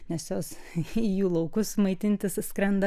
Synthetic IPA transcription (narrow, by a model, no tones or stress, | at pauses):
nʲɛsjoːsijuːlˠɐʊkʊsmɐɪt̪ʲɪnʲt̪ʲɪsskɾʲɛnd̪ɐ